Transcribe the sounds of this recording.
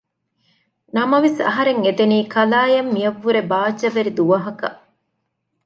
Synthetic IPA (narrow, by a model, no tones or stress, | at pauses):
nɐmɐʋesɐ̰ɦɐɾeŋet̪eniːkɐlaːjɐmːijɐʋːuɾebaːt͡ʃːɐʋeɾid̪uʋɐɦɐkɐ̰